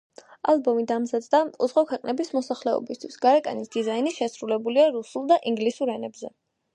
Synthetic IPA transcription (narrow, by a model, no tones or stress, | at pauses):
alˠbɔmid̪amzad̪d̪auzʁɔkʰwɛqʼnɛbismɔsaχlɛɔ̰bist̪ʰwisɡ̥aɾɛkʼa̰nisd̪̥izainiʃɛsɾulɛbuliaɾusulˠd̪aʔiŋɡlisuɾɛnɛbzɛ